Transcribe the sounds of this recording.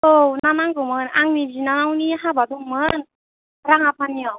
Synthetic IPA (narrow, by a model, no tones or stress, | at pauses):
ownanaŋɡɔmɯnaŋnizinanawniɦabadɔŋmɯn | ɾaŋapʰanːiɔ